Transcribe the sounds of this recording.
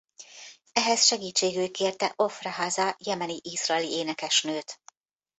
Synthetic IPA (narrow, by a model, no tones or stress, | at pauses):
ɛɦɛsʃɛɡiːt͡ʃːeːɡyːjkeːrt̪ɛʔo̞frɑɦaːzɒjɛmɛniʔizrɒɛlieːnɛkɛʃnøːt̪